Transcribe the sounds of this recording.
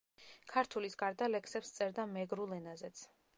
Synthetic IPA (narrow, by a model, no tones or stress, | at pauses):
kʰaɾt̪ʰulisɡaɾd̪alɛksɛpst̪sʼɛɾd̪amɛɡɾulˠɛnazɛt̪sʰ